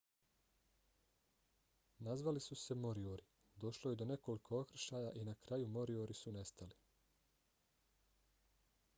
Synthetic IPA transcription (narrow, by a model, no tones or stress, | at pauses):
nazʋalisuse̞mo̞ɾioɾi | d̪o̞ʃlo̞jed̪o̞ne̞ko̞likʰo̞okɾ̩ʃaːjaʔinakɾajumo̞ɾioɾisune̞st̪ali